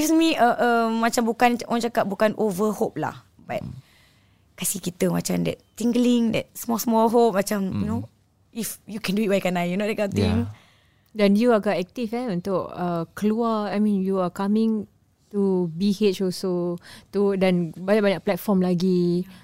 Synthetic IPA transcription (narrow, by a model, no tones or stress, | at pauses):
ɡismiəʔəmːat͡ʃambukanʔɔ̃nt͡ʃakat̚bukanʔovəhop̚la̰h | ba̰t̚ | kasikit̪əma̰t͡ʃamdɛ̰t̚t̪iŋɡəlĩŋdɛ̰t̚smɔsmɔlɦop̚mat͡ʃamjuno | ifjukɛ̃nduit̚wajkanajjunodɛkãt̪ĩŋ | dãnjuaɡatɛk̚t̪ifɛnũnt̪ʊʔəkəluaajmĩnjuakamĩŋ | tubihet͡ʃɔsot̪udãnbaɲaʔbaɲak̚plɛt̚fɔmlaɡi